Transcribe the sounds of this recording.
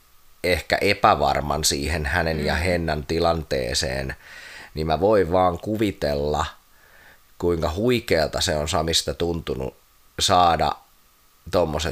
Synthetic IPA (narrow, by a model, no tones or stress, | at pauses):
ehkæ̰ʔepæʋɑ̰rmɑ̰nsiːhenhænenjɑhenːænt̪ilɑnt̪ḛːsḛːnnimmæʋoiʋʋɑːŋkuʋit̪elːɑ | kuiŋkɑhuikeːlt̪ɑseonsɑmist̪ɑt̪unt̪unṵ | sɑːdɑ̰ | t̪omːose